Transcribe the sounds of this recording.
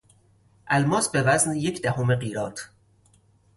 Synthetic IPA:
ʔælmɒːsbevæznjecʰd̪æhomeɢiːɾɒːt̪ʰ

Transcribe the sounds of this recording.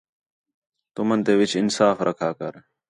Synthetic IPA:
t̪ʊmənt̪eːʋɪt͡ʃɪnsaːfɾʔɐ̰kʰaːkɐɾ

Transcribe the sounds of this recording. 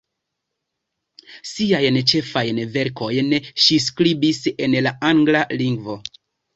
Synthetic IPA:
siajnt͡ʃe̞fajnve̞ɾko̞jnʃiskɾibise̞nlaʔaŋɡlaliŋɡvo̞

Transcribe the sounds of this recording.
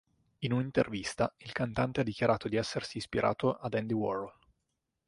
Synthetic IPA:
inunint̪ḛrvist̪ailkant̪ant̪ead̪ːikʲjaɾʔaːt̪od̪iɛsːersiːspiɾʔa̰ːt̪oʔad̪ɛnd̪iwɔ̰rl

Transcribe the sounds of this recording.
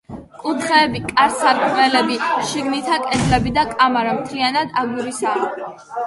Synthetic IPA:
kʼut̪χɛːbikʼaɾsaɾkʰmɛlɛbiʃiɡnit̪ʰakʼɛd̪lɛbid̪akʼamaɾamt̪ʰlianad̪aɡuɾisa

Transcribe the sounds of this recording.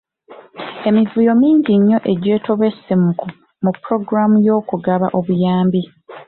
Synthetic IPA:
e̞mivujo̞miːɲɟiɲːo̞ʔe̞ɟe̞ːto̞βe̞sːimuku | mupːɾo̞ɡɾamujo̞ːkuɡaβaʔo̞βujaːmbi

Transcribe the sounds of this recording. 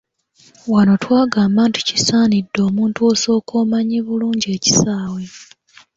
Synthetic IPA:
wano̞twaːɡaːmaːntu̥ci̥saːnidːo̞ːmuːntuo̞ːso̞ːkoːmaɲiβuluːɲɟe̞ːci̥saːwe̞

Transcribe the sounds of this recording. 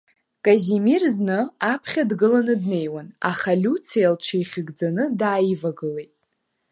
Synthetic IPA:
kʼazimirznɨapʰχʲadɡɨlanɨdne̞jwana̰χalʲut͡sʰijalʈ͡ʂʰejχʲɪɡd͡zanɨdaːjivaɡɨlejtʼ

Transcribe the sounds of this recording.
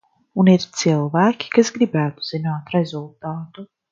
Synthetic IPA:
uniɾt̪silˠvæːkʲi̥kasɡɾibæːt̪u̥z̥inaːt̪ɾɛzulˠt̪aːt̪u

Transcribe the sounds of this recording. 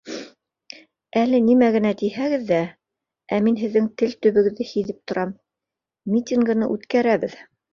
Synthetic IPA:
ælɘnimæɣɘ̆næt̪ijhæɡɘðːæ | ʔæminɦɘ̆ðːɘŋt̪ɘlt̪ɵ̆βɘ̆ɡɘ̆ðːɘhiðɘp̚t̪ŏɾʔɑm | mʲit̪ʲiŋɡɤ̆nɤ̰ʔʉt̪kæɾæβɘð

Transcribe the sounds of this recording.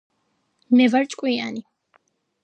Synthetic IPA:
mɛvaɾt͡ʃʼkʼwia̰ni

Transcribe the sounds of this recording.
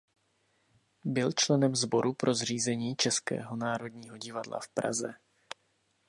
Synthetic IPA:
bɪlt͡ʃlɛnɛmzbo̞ɾʔupɾʔo̞zr̝iːzɛɲiːt͡ʃɛskɛ̰ːɦo̞naːɾo̞dɲiːɦo̞ɟɪvadla̰fpɾa̰zɛ

